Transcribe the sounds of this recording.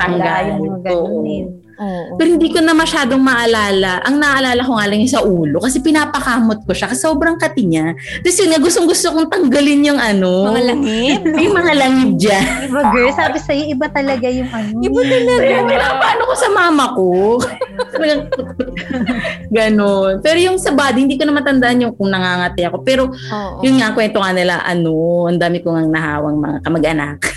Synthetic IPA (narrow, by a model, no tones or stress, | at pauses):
t̪ɐŋɡajɡoːʔo | opɛɾhɪnd̪iːkonɐmɐʃaːd̪o̞ŋmɐʔɐlaːlɐʔɐŋnɐaʔɐlaːlɐkoŋaːlɐŋɲɐsɐʔuːlo̞kɐsɛpɪnaːpɐkaːmot̪̚ko̞ʃakɐsoːbɾɐŋkɐt̪ɪɲa | t̪ɐsjʊnŋɐɡʊst̪oŋɡʊst̪okoŋt̪ɐŋɡɐlɪnjʊŋʔɐno̞alɐŋɪjʊŋmɐŋalɐŋɪt̪̚d͡ʒanɪbɐɡsaːbɪsɐjoʔɪbɐt̪ɐlɐɡajʊŋʔɐnobɐɐɐɪnapɐʔaːnokosɐmaːmɐko | tɐlɐɡɐŋ | ɡɐno̞npɛːɾojʊŋsɐbaːd̪ɪhɪnd̪iːkoɐmɐnt̪ɐnd̪aʔɐnjʊŋkʊŋnɐŋaːŋɐt̪ɪjɐko̞pɛːɾo̞ | jʊnŋaŋkwɛnt̪oŋanɪlɐ̰ʔɐ̰no̞ʔɐnd̪aːmɪkoŋɐŋnɐɦa̰ːwɐŋmɐ̰ŋa̰kɐmɐɡʔɐna̰k